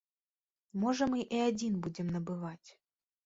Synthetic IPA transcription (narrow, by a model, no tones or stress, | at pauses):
mɔʐəmɨʔiad͡zʲinbud͡zʲɪmnɐbɨvat͡sʲ